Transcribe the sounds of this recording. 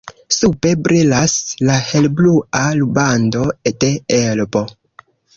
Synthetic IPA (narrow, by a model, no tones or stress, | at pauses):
supe̞bɾilaslahelblualubando̞de̞elbo̞